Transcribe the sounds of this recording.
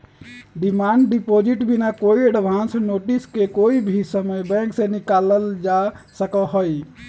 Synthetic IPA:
ɖimaɳɖɖipod͡ʒiʈbʱinakoiəɖbʱãnsnoʈiskekoibʱisəməjbɛ̃ŋksẽnikaləld͡ʒasəkəɦoj

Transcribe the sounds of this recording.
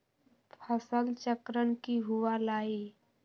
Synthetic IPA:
pʰəsəlt͡ʃəkɾəɳkiɦuwalaːi

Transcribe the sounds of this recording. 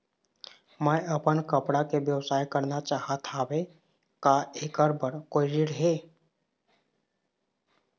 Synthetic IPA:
mə̃əpənkəpɽakeʋjəwsaːjkəɾnat͡ʃaːɦat̪ʰaːʋe | kaekəɾbəɾkoiɾiɽɦeː

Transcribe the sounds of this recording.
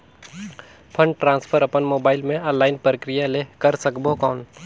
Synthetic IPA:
pʰə̃ɳɖʈɾãːnspʰəɾɐpənmoːbaːɪlmẽaːlaːɪnpɾəkɾɪjaleːkəɾsɐkbokɔːn

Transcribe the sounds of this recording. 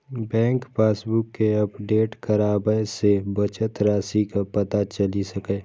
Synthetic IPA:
bɛ̃ːŋkpʰeːsbʊkːeɐpɖeːʈkɐɾaːbəjsebɐt͡ʃət̪ɾaːsikapɐt̪at͡ʃɐlisɐkeː

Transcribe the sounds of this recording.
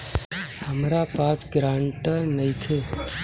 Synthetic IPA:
həmɾapat͡ʃɡɾãɳʈnəjkʰe

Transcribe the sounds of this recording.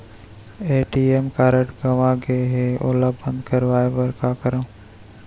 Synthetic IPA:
eːʈiemkaːɾəʈɡɐʋãɡeɦeo̰labə̃nd̪kəɾʋaːeʋəɾkaːkəɾãː

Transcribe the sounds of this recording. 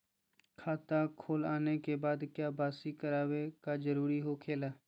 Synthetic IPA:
kʰaːt̪aːkʰoːlaːnekebaːd̪kjaːbaːsikəɾaːʋekaːd͡ʒəɾuːɾiɦoːkʰeːlaː

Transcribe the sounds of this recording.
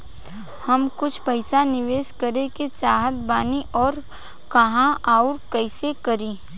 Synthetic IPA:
hɐmkʊt͡ʃʰpɐɪsanɪʋeːʃkɐɾeket͡ʃaːɦət̪baːniʔɔːɾ | kɐɦãaːʊɾkɐɪsekɐɾĩː

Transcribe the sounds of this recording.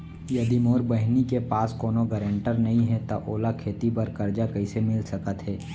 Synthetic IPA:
jɐd̪imoːɾbɐɦnikepaːskoːnoɡəɾə̃ɳʈəɾnɐɦĩɦɛt̪aʔoːlakʰeːt̪ipɐɾkɐɾd͡ʒakɐisemɪlsɐkət̪ɦɛː

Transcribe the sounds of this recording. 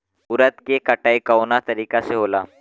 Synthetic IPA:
ʊɾət̪kekɐʈaːikaonat̪ɐɾiːkaseɦoːlaː

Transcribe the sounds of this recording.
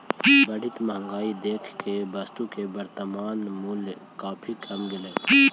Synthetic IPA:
bɐɽɪt̪mɐɦŋɡaːid̪eːkʰkebɐst̪ukebɐɾt̪əmaːnmulkaːpʰikʰɐmɡɪleː

